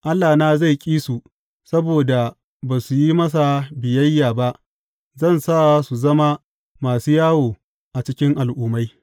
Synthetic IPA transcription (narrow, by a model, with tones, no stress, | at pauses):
ʔa˦lːaː˨naː˦za˦˨kʲʼiː˦su˨ | sɐ˦boː˨da˨ | baː˨su˨ji˦mɐ˦s̬a˨bɪ˨jɐ˦jːaː˨ba˦ʔ | zɐ˦˨nsaː˦˨su˨zɐ˦ma˦ | maː˨suː˦jaː˦woː˨ | ʔa˨t͡ʃɪ˦kʲɪ˦ŋʔa˨lʔuː˦ma˦j